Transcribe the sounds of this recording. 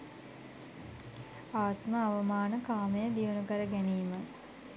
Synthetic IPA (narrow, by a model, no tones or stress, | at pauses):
aːt̪məaʋəmaːnəkaːməjəd̪iʋənukəɾəɡæniːmə